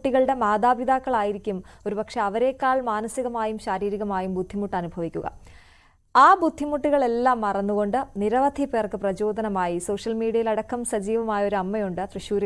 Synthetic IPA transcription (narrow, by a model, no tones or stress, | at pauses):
ʈːiɣɐɭɽe̞maːd̪aːbid̪aːkːɐɭaːjiɾikʲːumo̞ɾubɐkʂeɐʋɐɾe̞ːkːaːɭmaːnɐsiɣɐmaːjumɕaːɾiːɾiɣɐmaːjumbud̪ʱːimuʈːɐnubʱɐʋikʲːuɣɐ̰ | aːbud̪ʱːimuʈːiɣɐɭe̞lːaːmːɐrɐnːuɣo̞ɳɖɨniɾɐʋɐd̪ʱipeːrkɨprɐd͡ʑo̞ːd̪ɐnɐmaːjiso̞ːʂɐlmiːɽijɐjilɐɽɐkːɐmsɐd͡ʑiːʋɐmaːjɐo̞ɾuɐmːɐjuɳɖɨt̪rɨɕuːɾɐ